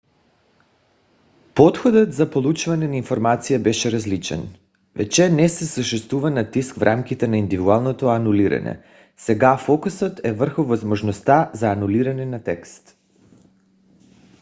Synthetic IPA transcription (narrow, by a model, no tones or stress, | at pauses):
pɔt̪xod̪ɔt̪zapolˠut͡ʃvanɛnainfoɾmat̪sijabɛʃɛɾazlit͡ʃɛ̰n | vɛ̰t͡ʃɛnɛsɛsəʃɛst̪vuvanat̪iskfɾʔamkit̪ɛnaind̪ivid̪ualˠnot̪ɔanuliɾa̰nɛ̰ | sɛɡafɔkusot̪ɛvr̩xuvozmoʒnɔst̪azaːnuliɾanɛnat̪ɛkst̪